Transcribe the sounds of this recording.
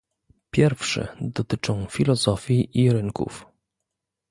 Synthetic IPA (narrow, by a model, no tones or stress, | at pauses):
pʲjɛɾfʂɘ̰d̪ɔt̪ɘt͡ʂɔ̃w̃fʲilɔzɔfʲjiʔiɾɘŋkṵf